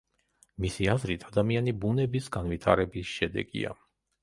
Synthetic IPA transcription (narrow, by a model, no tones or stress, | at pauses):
misiazɾit̪ʰad̪amianibunɛbisɡanvit̪ʰa̰ɾɛbisʃɛd̪ɛ̰ɡḭa̰